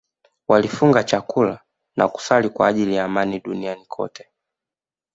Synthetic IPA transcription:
walifuŋɡat͡ʃakula | naku̥salikwaːʄilijaːmaniɗunianikʰɔ̰tʰɛ̥

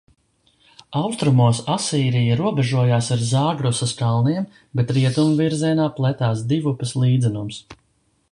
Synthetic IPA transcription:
awst̪ɾumuɔsasiːɾijaɾuɔbɛʒuɔjaːsaɾzaːɡɾɔsɐskalˠniɛm | bɛt̪ɾiɛt̪umviɾziɛnaːplˠɛt̪aːsd̪ivupɐslˠiːd̪zɛnums

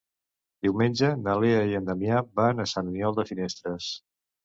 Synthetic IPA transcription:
d̪iwmenʲd͡ʒənəleəiənd̪əmjabanəsannjɔlˠd̪əfinest̪ɾəs

